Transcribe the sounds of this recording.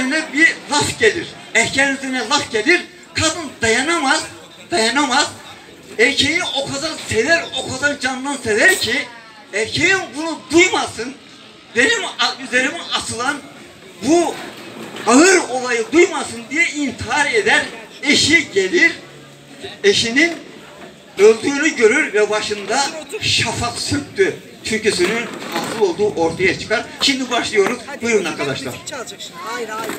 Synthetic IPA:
ɾinɛbilˠafɟelʲiɾ | ɛhcʰɛɾyzeɾinɛlˠafɟelʲiɾ | kʰad̪ɯnd̪ajanamaz | d̪ajanamaz̥ | ɛɾcʰejiniʔo̞kʰazansevæɾo̞kʰazand͡ʒand̪ansevæɾcʰi | ɛɾcʰejinbunud̪ujmasɯn | benimyzeɾimiat̪ʰɯlˠan | bu | aɯɾo̞lˠajɯd̪ujmasɯnd̪ijɛint̪ʰiɦaɾe̞d̪æɾe̞ʃiɟe̞lʲiɾ | eʃinin | ølʲd̪yːnyɟø̞ɾyɾvɛbaʃɯnd̪aʃafaksyt̪t̪ːy | t͡ʃʰyɾcysynynasɯlˠo̞lˠd̪uːʔo̞ɾt̪ʰajat͡ʃʰɯ̥kʰaɾʃimd̪ibaʃlˠɯjo̞ɾuzbujumnaɾkʰad̪aʃlˠa̰ɾa

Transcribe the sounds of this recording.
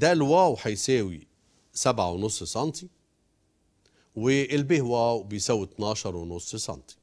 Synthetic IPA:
d̪alwaːwħajseːwḭ | sabʕa̰wnʊsːsɑnt̪i | wɪʔɪlbihwaːwbɪjsawːit̪nɑːʃɑɾˤwnʊsˤːsˤɑ̰nt̪i̥

